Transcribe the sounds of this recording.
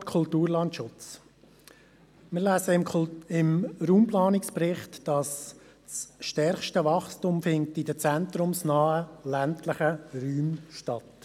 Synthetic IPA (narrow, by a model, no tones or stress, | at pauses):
kʰʊltuːɾlɑntʃʊt͡s | mɪːɾlæsəɪmɾuːmplɑːnɪksprɪχtd̥ɑs | sʃtɛɾχʃtəʋɑχstumfɪnk̚tidət͡sæntɾʊmsnɑːəlæntləχəryːmʃtɑt